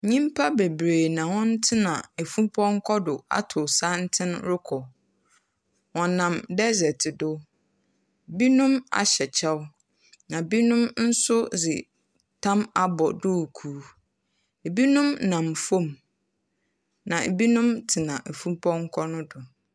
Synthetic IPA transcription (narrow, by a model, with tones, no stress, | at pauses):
ɲĩ˦m˦pʰa˦be˨bɾeː˨nã˨wɔ̃˦n̩˦tʰɪ˦nã˨e˨fũ˦pʰɔ̃˦ŋ̩˦kʰɔ˦dʊ˨a̰˦tʰʊ˨sa˦n̩˦tʰɪ̃˦n̰ɾʊ˦kʰɔ˨ | wɔ̃˨nã˨mdɛ˦zɛ˨tʰɪ˨dʊ˦ | bi˦nʊ̃˦ma̰˨ɕɛ˨t͡ɕʰɛ˦w | nã˨bi˦nʊ̃˦mn̩˦sʊ˦zɪ̰˨ | tʰã˦ma˨bɔ˨dʊ˦˨kʰuː˨˦ | e˨bi˦nʊ̃˦mnã˨mfõ˦˨m | nã˨e˨bi˦nʊ̃˦mtʰɪ˨nã˨ʔe˨fũ˦pʰɔ̃˦ŋ̩˦kʰɔ˦nʊ̃˦dʊ˨